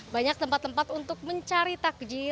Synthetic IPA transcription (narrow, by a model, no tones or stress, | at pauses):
baɲak̚t̪əmpat̪ːəmpat̪unt̪ʊk̚məɲt͡ʃaɾit̪ak̚d͡ʒi